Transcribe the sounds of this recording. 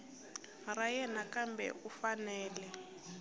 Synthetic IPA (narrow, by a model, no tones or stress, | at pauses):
rajɛnakambɛ̰ʔufanɛːlɛ